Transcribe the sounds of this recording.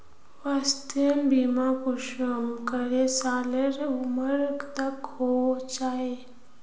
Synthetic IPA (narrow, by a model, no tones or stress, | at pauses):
ʋast̪embimãkuʃəmkəɾesaːləɾʊməɾkt̪ɐkhot͡ʃaːe